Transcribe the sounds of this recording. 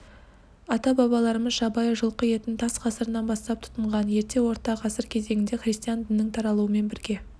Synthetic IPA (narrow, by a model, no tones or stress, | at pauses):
ɑt̪ɑbɑβɑlˠɑɾəməzʃɑbɑjəʒəlˠqəje̞t̪ɪnt̪ʰɑsqʰɑsəɾənɑnbɑst̪ɑp̚t̪ʰʊ̥t̪əɴʁɑnje̞ɾt̪e̞wo̞ɾt̪ɑqʰɑsəɾkʲʰe̞ze̞ŋʲɪnd̪e̞χrʲist̪ijand̪ɪnːɪŋt̪ʰɑɾɑlˠuəme̞nbɪɾɡʲe̞